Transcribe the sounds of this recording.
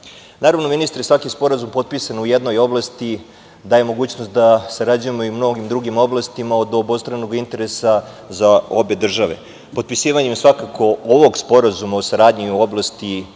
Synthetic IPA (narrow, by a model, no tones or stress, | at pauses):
naːɾaʋno̞minist̪ɾesʋakispo̞ɾazumpo̞d̪̚pisanujed̪no̞jo̞blˠast̪i | d̪aːjemo̞ɡuːt͡ɕnost̪̚d̪asaɾad͡ʑujemo̞imno̞ɡimd̪ɾuɡimo̞blˠast̪imaod̪obo̞st̪ɾano̞ɡint̪e̞ɾe̞sa | zao̞be̞d̪r̩ʒaʋe̞̰ | po̞d̪̚pisiːʋaɲemsʋakakʰo̞oʋo̞ɡspo̞ɾazumaosaɾaːd̪ɲiuo̞blˠast̪i